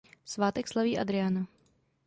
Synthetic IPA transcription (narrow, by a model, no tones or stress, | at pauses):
fsvaːt̪ɛkslaviːʔa̰d̪ɾɛana